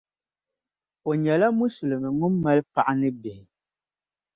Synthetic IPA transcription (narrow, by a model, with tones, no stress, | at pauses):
o˨ɲɛ˨la˦mu˦su˨lɨ˨mɨ˨ŋu˦mːɛ˦lpa˨ʔa˦nɨ˦bɛ˨hɪ˨